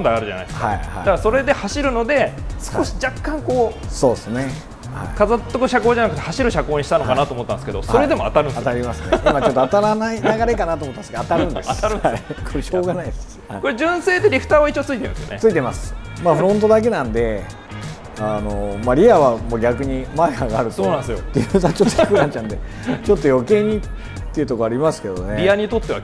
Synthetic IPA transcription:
nd̪ajaɾɯ̟ʑa̰na̰jskka̰iha̰d̪aɡaso̞ɾe̞d̪e̞haɕiɾɯ̟no̞d̪e̞sɨ̥ko̞ɕi̥d͡ʑakːãŋko̞ːso̞ːd̪esɨne | ha̰ikazot̪ːokɯ̟ɕakoːd͡ʑanakɯ̟t̪ehaɕiɾɯ̟ɕakoːɲiɕi̥t̪anokanat̪oːmot̪ːãnd̪skeo̞so̞ɾe̞d̪e̞mo̞a̰t̪aɾɯ̟nat̪aɾʲimasɨneĩmat͡ɕot̪ːoat̪aɾanainaɡaɾe̞kanat̪omot̪ːaskat̪aɾɯɯ̃nd̪e̞sat̪aɯ̃kʰoɾeɕo̞ːɡanaid̪es | koɾed͡ʑɨ̃ɰ̃se̞ːd̪eɾʲiɸɯ̟̥t̪aːβait͡ɕːot͡sɨit̪eɾɯ̰̃sɨjo̰et͡sɨit̪e̞masɨ̥ | maɸɯ̟ɾõnt̪o̞d̪ak̬e̞nãnd̪e̞ | ano̞maɾʲiaβamoːɡʲakɯ̟ɲ̟imaehaɡaaɾɯ̟t̪sonãnsjot̪ːejɯzat͡ɕot̪ːoçikɯɾãɲt͡ɕãnd̪e̞ | t͡ɕo̞t̪ːo̞jo̞ke̞ːɲ̟it̪ | t̪ːeiɯ̟t̪o̞koaɾʲimasɨ̥ke̞d̪o̞neɾʲiaɲ̟it̪o̞t̪ːea̰

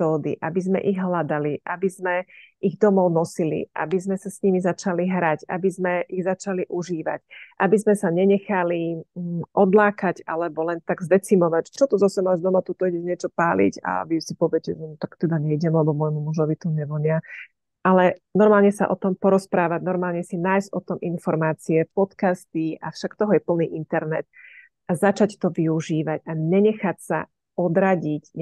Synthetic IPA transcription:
tɔːd̪ḭʔabizmɛ̰ʔiɣɦlad̪aliʔabizmɛiɣd̪ɔmɔʊnɔsilḭʔa̰bizmɛsasɲimizat͡ʃaliɦɾaɟa̰bizmɛʔiɣzat͡ʃaliʔuʒiːʋa̰cʔabizmɛsaɲɛɲɛxali | ʔɔd̪laːkaɟa̰lɛbɔlɛnt̪aɡzd̪ɛt͡simɔʋact͡ʃɔt̪ɔzɔsɛmazd̪ɔmat̪ut̪ɔiɟɛɲɪɛt͡ʃɔpaːlḭɟa̰ʋisipɔʋɪɛcɛɛnt̪akt̪ɛd̪aɲɛiɟɛmlɛbɔmɔjmumuʒɔʋit̪ɔɲɛʋɔɲɪa | ʔalɛnɔɾmaːlɲɛsa̰ʔɔt̪ɔmpɔɾɔspɾaːʋaɟnɔɾmaːlɲɛsinaːjzɟɔt̪ɔmʔinfɔɾmaːt͡siɛpɔt̪kast̪iafʃakt̪ɔɦɔjɛpl̩niːʔint̪ɛɾnɛt̪̚ | azat͡ʃact̪ɔʋiuʒiːʋaɟaɲɛɲɛxacsa̰ | ɔd̪ɾaɟicɲ

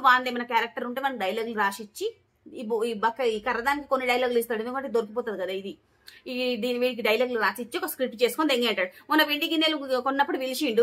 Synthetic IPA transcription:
ʋaːnd̪emɐnɐkaːɾɐk̚ʈɐɾuɳʈeːmaːnːiɖɐjlaːɡluɾaːʃit͡ʃːi | bibɐkːɐikɐɾːɐd̪aːnikikonːiɖɐjlaːɡluist̪aːɽend̪ukɐmɐɳʈːed̪oɾpipɔːt̪aːd̪ikɐd̪aid̪i | id̪iːniʋiːɽikiɖɐjlaːɡluɾaːsit͡ʃːiɔkɐskɾip̚ʈt͡ʃe̞ːsu̥kond̪eŋɡeːɐɳʈaːɽuunːɐʋiɳɖiɡinːeːlukonːɐpːuɽuʋiliʃiːɳɖu

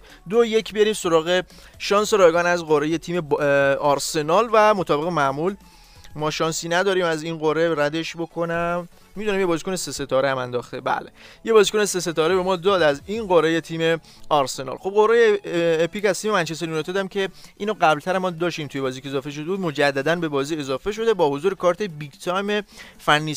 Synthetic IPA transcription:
d̪oje̞kʰbeɾiːmso̞ɾɒːɣe̞ʃɒːnseɾɒːjɡɒːnæzɢoɾeje̞t̪ʰiːme̞ɒɾse̞nɒːlvæmot̪ʰɒːbe̞ɣemæmul | mɒːʃɒːnsiːnæd̪ɒːɾiːmæziːnɢoɾe̞ɾæd̪e̞ʃbo̞kʰo̞næmː | id̪unæmje̞bɒːzikʰonesese̞t̪ʰɒːɾeæmænd̪ɒːxt̪ebæ̰ːleje̞bɒːziko̞ne̞se̞se̞t̪ɒːɾebe̞mɒːd̪ɒːd̪æzinɢoɾejet̪ʰiːme̞ | ɒɾse̞nɒ̰lxo̞b̚ɢo̞ɾejeːpicæzt̪iːme̞mænt͡ʃeseɾjunet̪ʰɔːd̪æmcʰe̞ʔiːnoɢæblt̪ʰæɾæmɒːd̪ɒːʃt̪iːmt̪ʰujeɒːziːkʰeezɒːfeʃ̬od̪ebuːd̪̚mod͡ʒæd̪ːæd̪ænbe̞bɒːziːe̞zɒːfe̞ʃ̬o̞d̪e̞bɒːho̞zuːɾekʰɒːɾt̪ʰe̞biɡt̪ʰɒjmefænːiː

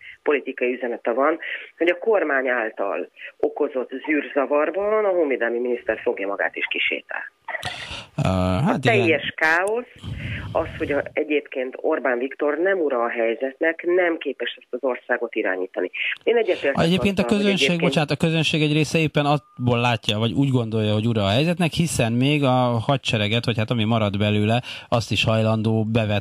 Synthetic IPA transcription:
po̞lit̪ikɒjiyzɛnɛt̪ɛvɒnho̞ɟɒko̞rmaːɲaːlt̪ɒ̰lo̞ko̞zo̞t̪zyːrzɒvɒrbɒnɒɦoːveːd̪ɛlmiminist̪ɛrfo̞ɡjɒmɒɡa̰ːt̪ḛʃkiʃḛːt̪ɛ̰l | ɦat̪iɛjːɛʃkaːo̞sɒsho̞ɟɒɛɟeːpkeːnt̪ʰo̞̰rbaːɱvikt̪o̞rnɛmuɾɒːɦɛjzɛt̪nɛknɛmkeːpɛʃɛst̪ɒzo̞rsaːɡo̞t̪iɾa̰ːɲiːt̪ɒnieːnɛɟːɛt̪eːrtɛɟeːppkeːnt̪ɒkøzønʃʃeːɡ̚bot͡ʃaːnat̪ɒkø̞zønʃeːɡɛɟreːsɛeːpːɛnɒboːlːaːcːɒvɒɟuːɟɡo̞nd̪o̞jːɒɦo̞ɟuɾɒːɦɛjzɛt̪nɛkhisɛnmeːɡɒhɒc̚t͡ʃɛɾɛɡɛt̪hɒchat̪ɒmimɒɾɒd̪bɛløːlɛɒst̪iʃhɒjlɒnd̪oːbɛvɛt̪

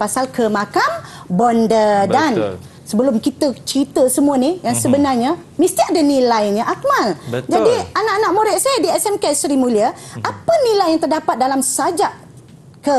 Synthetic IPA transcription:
pasalkʰəmakambɔndədan | səbəlʊmkit̪ət͡ʃit̪əsəmũanijaŋsəbənarɲamist̪iadanĩlajɲaʔak̚mald͡ʒadianaʔanaʔmoɾɛʔsajadiɛsɛmkɛsɾimũliəʔapənĩlajjaŋt̪ərdapat̪̚dalamsad͡ʒaʔ | kə

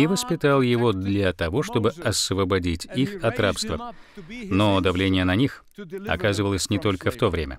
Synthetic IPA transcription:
ɪvəspʲɪt̪alˠjɪvo̞d̪lʲɐt̪ɐvo̞ʂt̪o̞bɨɐsəvəbɐdʲitʲixɐt̪ɾapst̪və | nod̪ɐvlʲenʲɪjənɐnʲix | ɐ̰kazɨvəlˠəsʲnʲɪt̪o̞lʲkəft̪o̞vɾʲemʲə̰

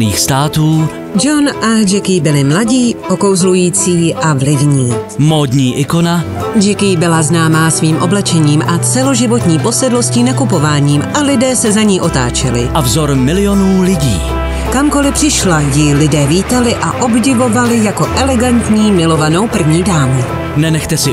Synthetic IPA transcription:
niːxst̪aːt̪uː | d͡ʒonʔad͡ʒɛkɪːbɪlɪmlaɟiːʔoko̞wzlujiːt͡siːʔavlɪvɲiːmoːd̪ɲiːʔɪkona | d͡ʒɛkɪbɪlaznaːmaːsviːmʔo̞blɛt͡ʃɛɲiːmʔat͡sɛlo̞ʒɪvo̞t̪ɲiːpo̞sɛdlo̞scinakupo̞vaːɲiːmʔalɪdɛːsɛzaɲiːʔo̞t̪a̰ːt͡ʃɛlɪ̰ʔavzoɾmɪlɪjo̞nuːlɪɟḭː | kamko̞lɪpr̥ɪʃlajɪlɪdɛːviːt̪alɪʔaʔo̞bɟɪvo̞valɪjako̞ʔɛlɛɡant̪ɲiːmɪlo̞vano̞wpr̩vɲiːdaːmu | nɛnɛxt̪ɛsɪ

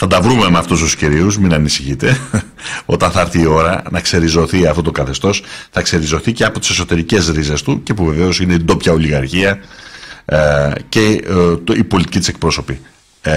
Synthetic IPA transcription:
θɐnd̪ɐvɾume̞meɐft̪ust̪usciɾiuzminɐnisiçit̪e̞ | o̞t̪ɐθɐɾθiːo̞ɾɐnɐkse̞ɾizo̞θiɐft̪o̞t̪okɐθe̞st̪o̞sθɐkse̞ɾizo̞θiceɐpo̞t̪i̥se̞so̞t̪e̞ɾice̞zɾize̞st̪uce̞puve̞ve̞o̞sine̞id̪o̞pçɐo̞liɣɐɾçiɐ | ce̞ | ipo̞lit̪icit̪ise̞k̚pɾo̞so̞pi

